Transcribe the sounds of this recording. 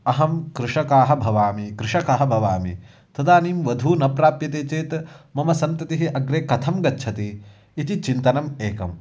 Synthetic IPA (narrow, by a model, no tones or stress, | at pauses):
ɐɦɐmkɾuʂɐkaːɦɐ̆bʱɐʋaːmikɾuʂɐkaːɦɐ̆bʱɐʋaːmḭ | t̪ɐd̪aːniːmʋɐd̪ʱuːnɐpɾaːpjɐt̪eːt͡ʃeːt̪mɐmɐsɐnt̪ɐt̪iɦiʔɐɡɾeːkɐt̪ʰɐmɡɐtːʃʰɐt̪iː | t̪it͡ʃint̪ɐnɐmeːkɐ̰m